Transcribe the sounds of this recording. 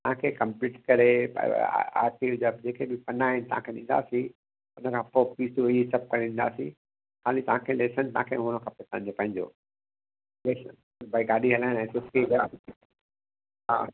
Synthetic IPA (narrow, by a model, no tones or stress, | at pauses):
t̪ɐɦãkʰekɐ̃mpiːʈkɐɾḛ | a̰ːɾʈiːʋd͡ʑəbd͡ʑeːkebɪpɐnaːɪnɪt̪ɐ̰ɦã̰kʰeɗĩːn̆d̪a̰ːsĩ | ʊnəkʰãpopiːsuiisɐp̚kɐɾeɗĩːnd̪a̰ːsḭ̃ | kʰaːlit̪ɐʋɦãkʰeleːsənt̪ɐãkʰeɦʊɽ̃əkʰãpetãd͡ʑopɐ̃ɦɪ̃ɲd͡ʑo̰ | leːsən | bɐiɡaːɗiɦɐlaːɪnaɛ̃sʊsiɡaː | ɦa̰ː